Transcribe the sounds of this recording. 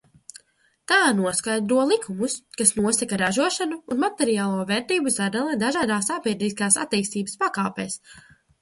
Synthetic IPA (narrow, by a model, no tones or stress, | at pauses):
t̪aːnuɔskajd̪ɾuɔlˠikʰumuskasnuɔsakaɾaʒuɔʃanuːnmat̪ɛɾijaːlˠuɔvɛːɾt̪iːbuzad̪alˠid̪aʒaːd̪aːsapiɾd̪iskaːsa̰t̪ːiːst̪iːbə̥spakaːpḛːs